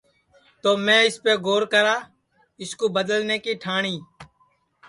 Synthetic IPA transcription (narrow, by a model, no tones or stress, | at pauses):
t̪oːmẽːɪspeːɡoːɾkəɾaː | ɪskoːbəd̪əlneːkiːʈʰaːɳiː